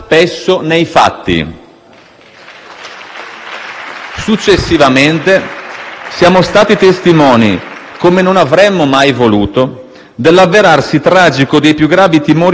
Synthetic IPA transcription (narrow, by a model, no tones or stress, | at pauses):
pesːonejfa̰t̪ːḭ | sut͡ʃːesːivament̪e | sjaːmost̪aːt̪it̪est̪imɔːnḭ | komenonavɾɛmːomajvoluːt̪o | d̪elːavːeɾarsit̪ɾaːd͡ʒikod̪ejpjuɡːɾaːvit̪imoːɾ